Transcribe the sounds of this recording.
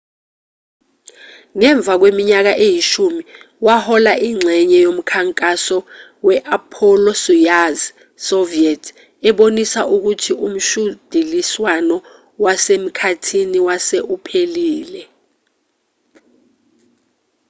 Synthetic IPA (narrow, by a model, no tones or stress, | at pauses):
ŋɛɱb̪vʱak̬wemiɲak̬aʔejiʃumi | wahɔlaʔiŋ͡ǀʱɛɲɛjom̩kʰaŋkʼasɔ | wɛʔapʰɔlɔsujaz | soviɛtʰ | ɛɓonisaʔuk̬utʰiʔum̩ʃud̥ʱiliswanɔ | wasem̩kʰatʰiniwaseʔupʰeliːlɛ